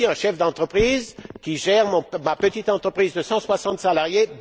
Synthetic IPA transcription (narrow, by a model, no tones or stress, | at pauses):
iɛ̃ʃɛfd̪ɑ̃t̪χəpχiːzkʲiʒɛʁmɔ̃mapət̪it̪ɑ̃t̪χəpχizd̪əsɑ̃swasɑ̃t̪salaʁjeb